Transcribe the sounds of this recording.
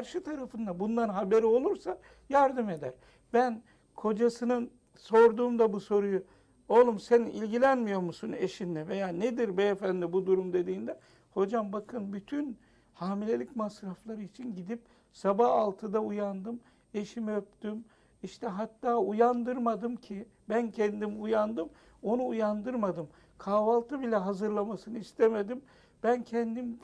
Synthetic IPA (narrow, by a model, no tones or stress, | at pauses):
kʰaɾʃɯt̪ʰaɾafɯnd̪abund̪ˠaɾnɦabe̞ɾio̞lˠuɾsa | jaɾd̪ɯme̞d̪æɾ | bæn | kʰo̞d͡ʒasɯnɯn | so̞ɾd̪uːmd̪abuso̞ɾuju | olˠumsenilʲɟilʲænmijo̞ɾmusunḛʃind̪ɛve̞jaːned̪iɾbɛjefænd̪ibud̪uɾumd̪e̞d̪iːnd̪ɛ | ho̞d͡ʒambakʰɯnbyt̪ʰyn | haːmilʲe̞lʲicmasɾaflˠaɾɯit͡ʃʰinɟid̪ip̚ | sabahalˠt̪ʰɯd̪aujand̪ɯm | e̞ʃimɛøp̚t̪ym | iʃt̪ʰɛɦat̪ːaːujand̪ɯɾmad̪ɯmcʰi | bæncʰɛnd̪imujand̪ɯm | o̞nuːjand̪ɯɾmad̪ɯm | kʰaːvalˠt̪ʰɯbilʲɛɦazɯɾlˠamasɯnɯist̪ʰeme̞d̪im | b̥æncʰɛnd̪im